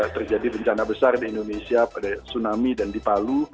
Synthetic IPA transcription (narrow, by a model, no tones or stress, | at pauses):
t̪ərd͡ʒadibəɲt͡ʃanabəsardiːndonesiapadasunamidandipalu